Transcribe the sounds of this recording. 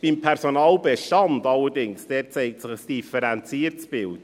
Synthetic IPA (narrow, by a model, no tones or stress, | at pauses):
b̥impʰɛrsonɑːlbɛʃtɑndɑləɾdɪŋsd̥ɛːt̚t͡seɪk̚tsɪχəsd̥ifɛɾænt͡siːərtsb̥ɪlt